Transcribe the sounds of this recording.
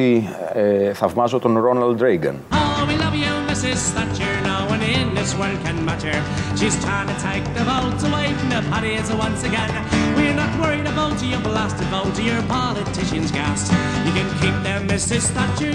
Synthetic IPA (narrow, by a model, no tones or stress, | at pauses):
i | θɐvmɐsot̪onɾonald̪ɾeɪɡɐ̰nowilʌvjɨmɪsɪz̥sθat͡ʃə˞naʊə̃nɪ̃nðɪswɜ˞ld̚kʰɨ̃nmaɾə˞ | ʃiz̥tʰɹ̥ãɪ̃ŋtʰɨtʰeɪk̚ðəvoʊtəweɪfnəpʰɑɾiɪzəwʌ̃nsɨɡɛ̃n | wɪɹnət̚wɜ˞iɾəboʊtɨjəvəlæstɨvoʊtɨjə˞pʰɑlɨtʰɪʃɨ̃nzɡæsts | jɨkɨ̃nkʰik̚ðə̃mːɪsɪz̥θat͡ʃə